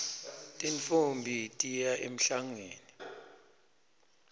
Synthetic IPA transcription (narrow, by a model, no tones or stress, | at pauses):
tʼinfumbʱitʼijaʔem̩ɬaŋweːni